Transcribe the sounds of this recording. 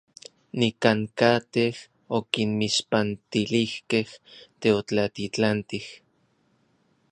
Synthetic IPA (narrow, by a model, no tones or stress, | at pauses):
nikaŋkat̪eh | okinmiʃpant̪ilihkeht̪eot͡ɬat̪it͡ɬant̪ih